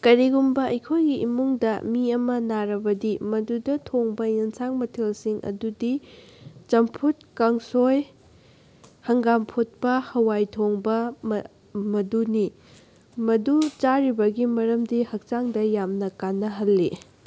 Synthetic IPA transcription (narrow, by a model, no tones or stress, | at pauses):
kɐɾiɡumbɐɐjkʰojɡiʔimuŋdɐmiɐmɐnaɾɐbɐdimɐdudɐtʰoŋbɐjɐnsaŋmɐtʰelsiŋʔɐ̰dudi | t͡ʃɐmpʰut̚kɐŋsoj | hɐŋɡampʰot̚pɐhɐwajtʰoŋbɐm | mɐduni | mɐdut͡ʃaɾibɐɡimɐɾɐmdihɐk̚t͡ʃaŋdɐjamnɐkanːɐɦɐlːi